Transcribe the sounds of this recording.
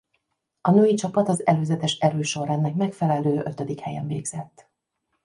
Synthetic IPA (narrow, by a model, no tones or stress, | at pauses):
ɒnøːjit͡ʃɒpɒt̪ɒzɛløːzɛt̪ɛʃɛɾøːʃo̞ɾɛnːɛkmɛkfɛlɛløːʔøt̪ød̪ikhɛjɛɱvḛːɡz̥ɛt̪ː